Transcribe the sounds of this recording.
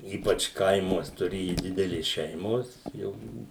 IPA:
ˈiːpɐt͡ʃ ˈkɐɪmuɔs tʊˈrʲeːjʊ ˈdʲɪdʲɛlʲeːs ˈʃʲɛɪmoːs ˈjɛʊ ˈbʊʋʊ

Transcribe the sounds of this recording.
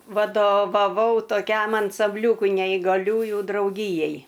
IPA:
ʋɐdoːʋɐˈʋɐʊ toːˈkʲɛm ɐnsɐmʲˈbʲlʲuːkʊɪ nʲɛɪɡɐˈlʲuːjʊ drɐʊˈɡʲiːjɛɪ

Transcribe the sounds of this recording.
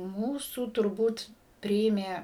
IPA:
ˈmuːsuː tʊrˈbuːt ˈpʲrʲɪeːmʲeː

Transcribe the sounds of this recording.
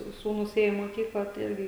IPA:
ˈsuːnuːs ˈeːjoː iː moːˈkʲiːklˠɑː tɐɪ ˈɪrʲɡʲɪ

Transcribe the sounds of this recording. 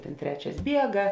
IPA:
ˈtʲeːn ˈtʲrʲæːt͡ʃʲɛs ˈbʲiɛɡɐ

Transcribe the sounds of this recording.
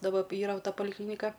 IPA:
dɐˈbɐ ˈiːrɐ ˈtɐ pɐlʲɪˈklʲiːnʲɪkɐ

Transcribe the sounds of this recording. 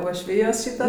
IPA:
uɔʃʲˈʋʲiːjoːs ˈʃʲiːtɐ

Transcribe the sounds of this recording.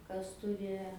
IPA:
ˈkɐs ˈtʊrʲɪ

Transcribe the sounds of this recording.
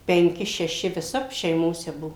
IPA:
pʲɛŋʲˈkʲɪ ʃʲɛˈʃʲɪ ʋʲɪˈsɐp ʃʲɛɪˈmoːsʲɛ ˈbʊʋoː

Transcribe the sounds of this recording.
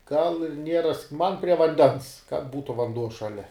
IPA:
ɡɐlˠ ɪr ˈnʲiɛrɐs mɐn pʲrʲiɛ ʋɐnʲˈdʲɛns kɐt ˈbuːtʊ ʋɐnˈduɔ ʃɐˈlʲɛ

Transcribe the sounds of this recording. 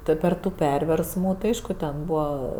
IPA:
ˈtʊ pʲɛr ˈtuː ˈpʲɛrʲʋʲɛrsmuː tɐɪ ˈɐɪʃkʊ tʲɛn ˈbuːʋɐ

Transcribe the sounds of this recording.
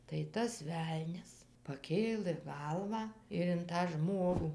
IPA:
tɐɪ ˈtɐs ˈʋʲɛlʲnʲɛs pɐˈkʲeːlˠɘ ˈɡɐlˠʋɑː ɪr ɪn tɑː ˈʒmoːɡuː

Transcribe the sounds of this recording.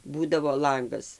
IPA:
ˈbuːdɐʋoː ˈlˠɐŋɡɐs

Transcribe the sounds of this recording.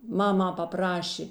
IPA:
ˈmɑːmɐ pɐˈprɑːʃʲeː

